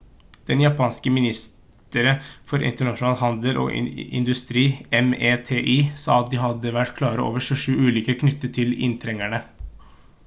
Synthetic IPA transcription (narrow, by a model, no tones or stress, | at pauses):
d̪̥ɛnjɑpʰɑːnskəmɪnɪst̪ | əɾəfɔɾɪ̰nt̪əɳɑʂʊnɑːlhɑnd̪əlʔɔ̰ːɪ̰nd̪ʉst̪ɾiːɛmeːt̪ʰeːʔiːsɑ̰ːɑt̪̚d̪iɦɑd̪əʋæʈːkʰlɑːɾəʔo̰ːʋəʂʉːʂʉːʉːliːkəkʰnʏt̪ːət̪ʰɪlɪ̰nt̪ʰɾɛŋæɳə